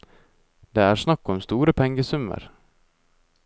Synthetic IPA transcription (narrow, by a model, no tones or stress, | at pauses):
d̪̥ɛæɾʂnakːɔmst̪uːɾəpʰɛŋɡəsɵmːə̰ɾ